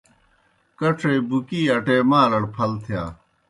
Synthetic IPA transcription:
kɐʈ͡ʂʰeːbukiːɐʈeːmaːlɐɽpʰɐlt̪ʰjaː

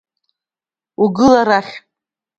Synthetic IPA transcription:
uɡɨlaɾaχʲ

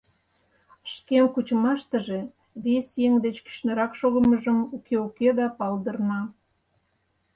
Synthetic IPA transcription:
ʃkemkut͡ɕəmɑʃt̪ə̆ʒe̽ | βesjeŋd̪et͡ɕky̥ɕnəɾɑkʃoɣə̆məʒəmukeuked̪ɑpɑld̪ərnɑ

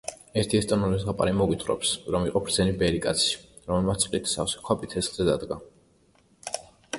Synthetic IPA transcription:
ɛɾt̪ʰiɛst̪ʼɔnɔlisʁapʼa̰ɾimɔɡwit̪ʰχɾɔ̰psɾɔmiqʼɔpʰɾd̪zɛnibɛɾikʼa̰t̪sʰi̥ɾɔmɛlmat̪sʼqʼlit̪ʰsa̰fsi̥kʰapʼit̪ʰːɛsχz̥ɛd̪ad̪ɡa

